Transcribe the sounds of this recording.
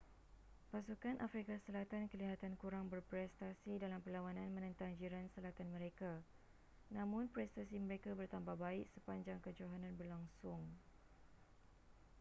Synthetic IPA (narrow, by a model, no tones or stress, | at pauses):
pasukanʔafɾikasəlat̪ankəliɦat̪ankuɾaŋbərpɾɛst̪asidalampəlawanãnmə̃nə̃nt̪aŋd͡ʒiɾansəlat̪anmə̃ɾeka | nãmʊ̃npɾɛst̪asimə̃ɾekabərt̪ambahbaɪʔsəpaɲd͡ʒaŋkəd͡ʒoɦanãnbərlaŋsʊŋ